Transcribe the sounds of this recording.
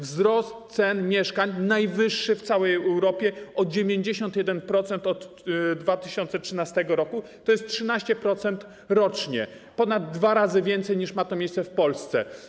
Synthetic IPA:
vzɾɔst̪̚sɛnmʲjɛʂkaɲnajvɘʂːɘft̪sawɛjɛɛwɾɔpʲjɛʔɔd͡ʑevʲjeɲd͡ʑeɕɔnt̪jɛd̪ɛnpɾɔt̪sɛnt̪ɔt̪ | d̪vat̪ɘɕɔnt̪sɛtʂɘnast̪ɛɡɔɾɔkut̪ɔjɛst̪̚tʂɘnaɕt͡ɕɛpɾɔt̪sɛnt̪ | ɾɔt͡ʂɲɛ | pɔnad̪ːvaɾazɘvʲjɛnt̪sɛjɲiʂmat̪ɔmʲejst̪sɛfpɔlst̪sɛ̰

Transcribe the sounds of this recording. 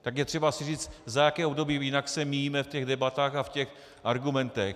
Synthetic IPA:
t̪akjɛt̪r̥ɛbasɪriːt͡st̪zajakɛːʔobdo̞biːjɪnaksɛmijiːmɛfcɛɣdɛbat̪aːxafcɛx | ʔaɾɡumɛnt̪ɛx

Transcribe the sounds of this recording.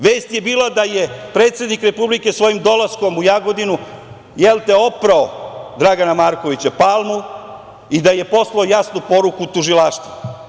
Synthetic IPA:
ʋe̞ːst̪je̞biːlad̪aje̞pɾe̞ːt̪sje̞d̪nikɾe̞publike̞sʋo̞jimd̪o̞lasko̞mujaɡo̞d̪inu | jelˠt̪eo̞pɾaod̪ɾaɡanamaːɾko̞ʋit͡ɕapalˠmu | id̪aje̞po̞slˠaojasnupo̞ɾukut̪uʒilaːʃt̪vu

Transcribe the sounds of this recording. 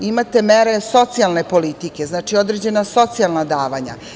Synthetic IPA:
imat̪e̞meɾe̞so̞t̪sialˠne̞po̞lit̪ike̞znaːt͡ʃio̞d̪ɾe̞d͡ʑe̞naso̞t̪sialnad̪aːʋaɲa̰

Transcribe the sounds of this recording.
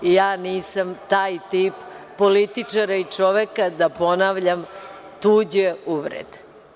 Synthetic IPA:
jaːniːsamt̪aːjt̪iːpː | olit̪it͡ʂaɾait͡ʂoʋekad̪apo̞naʋʎam | t̪uːd͡ʑeuʋɾḛd̪

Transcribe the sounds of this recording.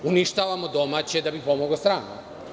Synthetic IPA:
uniʃt̪aːʋamod̪o̞maːt͡ɕed̪abipo̞moɡlost̪ɾaːnṵ

